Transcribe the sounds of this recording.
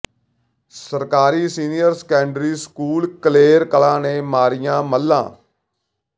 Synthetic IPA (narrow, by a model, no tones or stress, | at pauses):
səɾkaːɾiːsiːnijəɾsə̥kɛːɳɖɾiːskuːlkəleːɾkəlãːnẽːmaːɾɪjãːməlːã̰ː